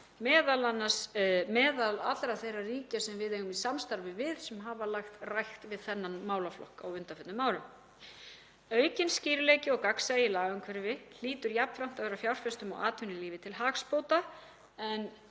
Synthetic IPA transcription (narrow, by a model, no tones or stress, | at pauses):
mɛːðalanːasmɛːðalat̪lɾaθejrːariːcasɛmvɪðejɣʏmisamst̪aɾvɪvɪðsɛmɦavalaxt̪rajxt̪vɪðθɛnːanmaːwlaflɔ̰hkaawʏnt̪afɛt̪nʏmaːwɾʏm | œːɥcɪnsciːɾʏlejcɪɔɣkaksaɪlaːɣaŋkʰvɛɾvɪl̥iːt̪ʏɾjapn̥fɾam̥t̪aðɛːɾafjawr̥fɛst̪ʏma̰wʔa̰ːt̪ʰvʏnɪliːvɪt̪ʰɪlɦaːkspoːwt̪a | ɛn